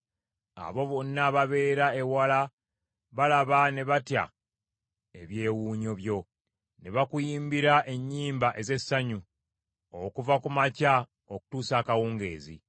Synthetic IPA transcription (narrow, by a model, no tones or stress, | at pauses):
a̰βo̞βo̞nːaβaβe̞ːɾae̞wala | βalaβane̞βatja̰ | e̞βje̞ːwuːɲo̞βjo̞ | ne̞βakujiːmbiɾaʔe̞ɲːiːmbaʔe̞ze̞sːaɲu | okuvakumaca | oku̥tuːsaːkawuːŋɡe̞̰ːzḭ